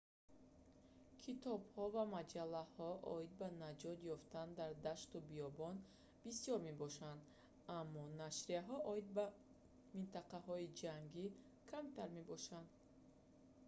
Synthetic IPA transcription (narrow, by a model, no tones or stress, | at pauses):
kʰit̪ɔbhɔvamad͡ʒalːahɔʔɔ̰id̪̚banad͡ʒɔt̪jɔft̪and̪aɾd̪aʃt̪ubijɔbɔn | bisijɔɾme̞bɔʃand̪ | amːɔnaʃɾiaɦɔʔɔid̪̚ba | mint̪aqaɦɔid͡ʒaŋɡi | kʰamt̪aɾme̞bɔʃand̪